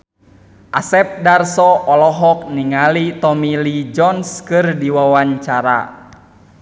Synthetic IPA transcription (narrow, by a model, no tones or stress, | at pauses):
ʔasɛp̚darsɔɔlɔɦɔk̚niŋalit̪ɔmilid͡ʒɔnskɨrdiwawaɲt͡ʃaɾa̰